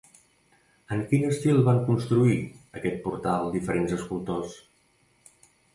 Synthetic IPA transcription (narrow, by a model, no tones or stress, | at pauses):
əŋkinəst̪ilˠβaŋkunst̪ɾuiəkɛt̪̚puɾt̪alˠd̪ifəɾenzəskulˠt̪os